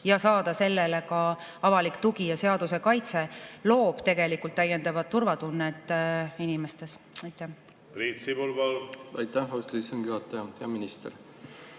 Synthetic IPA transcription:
jɑsɑːd̪̥ɑse̞lːelekɑ | ɑvɑlikt̪uɡijɑse̞ɑd̪use̞kɑjt̪selo̞ːb̥t̪e̞ɡe̞likːult̪ːˑæjend̪ɑvɑd̪̥̚t̪ːurvɑt̪unːet̪ːˑinimest̪e̞sɑjt̪ːˑæ | pɾiːt̪sibulvɑlɑjt̪ːæhɑwst̪lisenɡ̥juɑt̪ːˑɑjɑpeɑminist̪eɾ

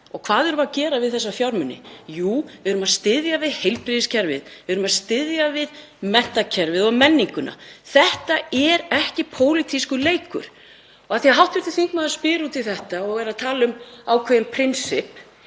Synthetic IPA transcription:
ɔɣkʰv̥aːðɛɾʏmaðcɛːɾavɪðθɛsːafjawɾmʏnːɪ̰juːvɪðʏɾʏmaðst̪ɪðjavɪðhejlpɾɪðiscʰɛɾvɪ̰ðvɪðʏɾʏmaðst̪ɪðjavɪð | mɛn̥t̪acʰɛɾvɪðɔɣmɛnːiŋkʏna̰θɛht̪aɛɾɛhcɪpʰoːwlit̪ʰiskʏleːjkʏ̰ɾ̥ | ɔɣaθiaɦawht̪vɛɾt̪ɪ̥θiŋkmaðaspɪːɾuːt̪ɪlθɛht̪aɔɣɛɾaðt̪ʰaːlʏmawkʰvɛjɪmpʰɾɪnsɪp

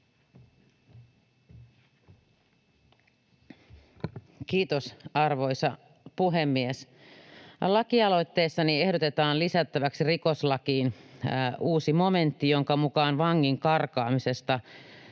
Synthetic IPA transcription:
kiːt̪osɑrʋo̞jsɑ | puɦe̞mːies | lɑkiɑlo̞jt̪ːe̞ːsːɑnie̞hdot̪e̞t̪ɑːnlisæt̪ːæʋæksiriko̞slɑkiːn | uːsimo̞me̞nt̪ːijo̞ŋkɑmukɑːnʋɑŋːiŋkɑrkɑːmise̞st̪ɑ

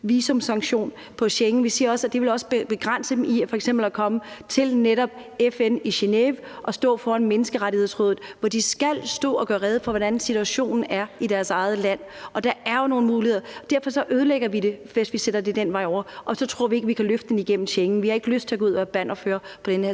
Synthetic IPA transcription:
ʋiːso̽msɑ̈ŋɕo̝̰ːn | pʰɒ̽ɕeŋn̩ʋisiːɐɒ̽sæd̥e̝ʋe̝lɒ̽səb̥b̥e̝ɡ̥ʁan̰səd̥emʔiæfɒ̽eɡ̥semb̥l̩ækʰɒ̽mət͡sʰe̝lneɾɒ̽b̥̚ | efeniɕe̝neʋʔɒ̽sd̥ɔ̰̽ːfɒːænmenəsɡ̥əʁaɾihe̝ð̞̰ˠsʁɔːð̩ˠʋɒd̥isɡ̥æl̰sd̥ɔ̰̽ːɒ̽ɡ̥ɶːɐʁɛð̞ˠəfɒ̽ʋɒɾ̥ænsit͡sʰuæɕo̝̰ːnn̩æɐid̥æɐsɑ̈ɪð̞̩ˠəlæn̰ | ʔɒ̽d̥ɑ̈æɐjono̝ːn̩muːlihe̝ð̰ˠɐɒd̥æɐ̰fɒ̽sɒ̽ʔøːð̞ˠleɡ̥ɐʋid̥e̝ʋesʋised̥ɐde̝d̥enʋɑ̈ɪɒ̰ɐʔɒ̽sɒ̽t͡sʰʁo̝ɐ̰ʋie̝ɡ̥əʋikʰæløfd̥əd̥eniɡ̥en̰m̩ɕeŋn̩ʋihɑ̈e̝ɡ̥løsd̥t͡sʰe̝ɡ̥uð̰ˠʋæːɐb̥æn̰ɒføːɐpʰɒ̽d̥enheɐ̰

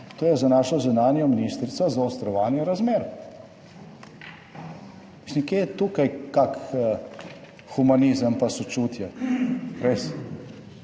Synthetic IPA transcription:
t̪oːjɛzanaːʃɔzunaːnjɔminiːst̪ɾit̪sazaust̪ɾɔʋaːnjɛɾazmeːɾ | misĩmkeːt̪uːkajkak | xumanizəmpasɔt͡ʃuːt̪ja | ɾes

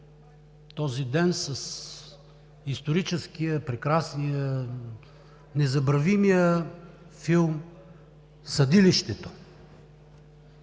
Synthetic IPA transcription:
t̪ɔzid̪ɛnsɐs | ist̪oɾit͡ʃɛskijəpɾɛkɾasnijə | nɛzɐbɾɐvimijə | filˠm | sɐd̪iliʃt̪ɛt̪o̥

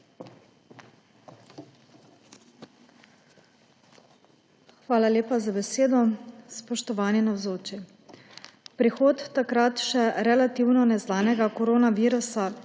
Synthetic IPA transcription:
xʋaːlaleːpazabɛseːd̪ɔspɔʃt̪ɔʋaːninawzoːt͡ʃi | pɾixoːt̪ːakɾat̪ʃɛɾɛlat̪iwnɔnɛznaːnɛɡakɔɾoːnaʋiːɾusa

